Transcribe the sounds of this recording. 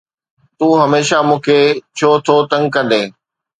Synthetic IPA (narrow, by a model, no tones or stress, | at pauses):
t̪uːɦɐmeːʃamũːkʰet͡ɕʰoːt̪ʰot̪ɐ̃ŋɡkɐ̃nd̪eː